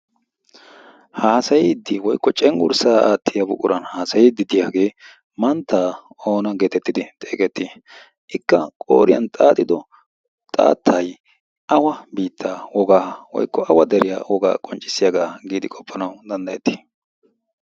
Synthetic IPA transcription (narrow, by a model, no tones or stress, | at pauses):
haːsɐjid̪ːɪwɔjkːɔt͡ʃʼɛŋɡʊ̰ɾsaːaːt̪ːɪjɐbʊkʼʊɾʔɐnhaːsɐjɪd̪ːɪd̪ɪjaːɡe̞ː | mɐnt̪ːaːo̞ːnɐɡeːt̪ɛt̪ːɪd̪ɪt̪ʼe̞̰ːkɛt̪ːi | ʔɪkːɐkʼo̰ːɾɪjɐ̰nt̪ʼaːt̪ʼːɪd̪ɔ | t̪ʼa̰ːt̪ʰːɐj | ʔɐwɐbiːt̪ʰːaːwɔɡaːɐwɔ̰jkːɔʔɐwɐd̪ɛɾɪja̰ːwɔɡa̰ːkʼɔnt͡ʃʼːɪsːɪjaɡaːɡiːd̪ɪkʼɔpʰːɐnɐwd̪ɐnd̪ɐjɛt̪ːi̥